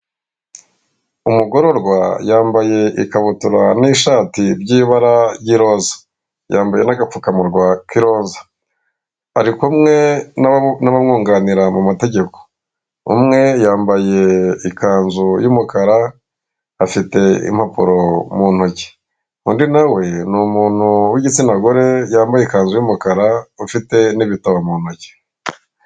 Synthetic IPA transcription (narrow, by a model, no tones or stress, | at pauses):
umuɡo̞ɾo̞ɾɡwajaːmbaje̞ʔikaβutuɾaniːʃaːtiɾɟiːβaɾajiɾo̞ːzḁ | jaːmbaje̞naɡafukamuɾɡwakiɾo̞ːnzḁ | aɾikumŋe̞ | naβamŋuːŋɡaniɾamumate̞ɟe̞ko̥ | ṵmŋe̞jaːmbaje̞ikaːnzujumukaɾaː | fite̞ḭm̥hapuɾo̞muːn̥hoce̥ | undinawe̞nuːmuːn̥huwiɟit͡sinaɡoɾe̞jaːmbajeikaːnzujumukaɾaufite̞niβitaβamuːn̥hoce̥